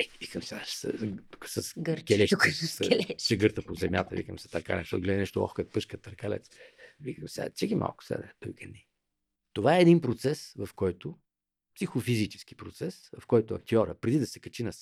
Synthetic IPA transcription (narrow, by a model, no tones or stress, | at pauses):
ɛvikəmsḁsusɐsɡɾkʲɛlɛʃslt͡ʃɛɡɤɾt̪əpozɛmja̰t̪ə̰vḭkəmsɛ̥t̪ɐɾka̰lɛʃt̪ɔɡlɛd̪inɛʃt̪oɔ̰xkət̪̚pɤʃkət̪ɐɾkalɛ̰t̪svikəmsɛa̰t͡ʃɛɡimʔa̰lˠkʊ̥sa̰d̪ɛpijkʲɛnːi | t̪ovaɛːd̪inpɾot̪sɛsvɐfkɔjt̪ʊ | psixofizit͡ʃɛ̥sk̟i̥pɾot̪sɛsvɐfkɔjt̪ʊɐ̰k̚t̪iɔɾə̰pɾɛd̪id̪ɐsɛkɐt͡ʃinɐs